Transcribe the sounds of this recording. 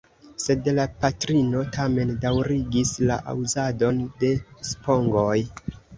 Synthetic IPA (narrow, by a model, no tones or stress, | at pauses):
se̞dlapatɾino̞tʰame̞ndawɾiɡislaʔa̰wzado̞nde̞spo̞ŋɡo̞j